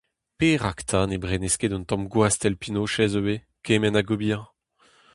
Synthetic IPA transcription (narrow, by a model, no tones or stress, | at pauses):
peʁakt̪ʰanebʁenɛsked̪ɔ̃nt̪ɔ̃mɡwast̪ɛlpinoʃɛzøwe | kemɛnaɡobiã